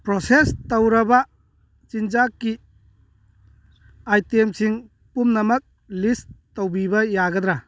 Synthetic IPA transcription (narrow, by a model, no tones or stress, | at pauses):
pɾosestowɾɐba | t͡ʃind͡ʒakːi | ajtemsiŋ | pumnɐmɐk̚ | listowbibɐjaɡɐd̪ɾa